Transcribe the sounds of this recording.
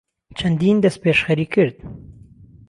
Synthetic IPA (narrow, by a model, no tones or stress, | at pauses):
t͡ʃʰɐnd̪iːnd̪ɐst̪̚peːʃxɐɾiːkʰɨɾd̪̚